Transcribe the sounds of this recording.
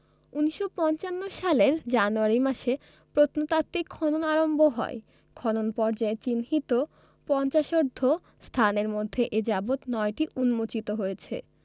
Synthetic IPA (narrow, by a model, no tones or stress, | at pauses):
uniʃːopɔnt͡ɕanːoʃaleɾd͡ʑanuaɾimaʃe | pɾot̪ʰnot̪at̪ːikʰːɔnonaɾomboɦɔ̰e | kʰɔnonpɔɾd͡ʑaet͡ɕinɦit̪o | pɔnt͡ɕaʃoɾd̪ʱːo | st̪ʰaneɾmod̪ʱːeʔed͡ʑabot̪nɔeʈiunmot͡ɕit̪oɦojet͡ɕʰḛ